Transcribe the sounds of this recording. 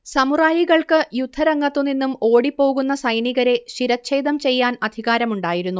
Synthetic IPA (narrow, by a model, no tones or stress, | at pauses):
sɐmuraːjiɣɐɭkɨjud̪ʱːɐɾɐŋːɐt̪ːunːinːumoːɽipːo̞ːɣunːɐsɐjɳiɣɐɾe̞ʂiɾɐɕʰe̞ːd̪ɐmt͡ɕe̞jːaːnɐd̪ʱiɣaːɾɐmuɳɖaːjiɾunːu